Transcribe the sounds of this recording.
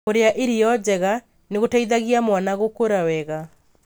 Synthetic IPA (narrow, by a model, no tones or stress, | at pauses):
oɾeaʔeɾijɔd͡ʑɛɣa | neɣotaiðaɣiamwanaɣokoɾawɛɣa